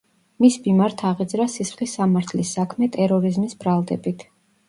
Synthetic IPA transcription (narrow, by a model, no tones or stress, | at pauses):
misbimaɾt̪ʰaʁid̪zɾasisχlisːamaɾt̪ʰlisːakʰmɛt̪ʼɛɾɔɾizmisbɾalˠd̪ɛbit̪ʰ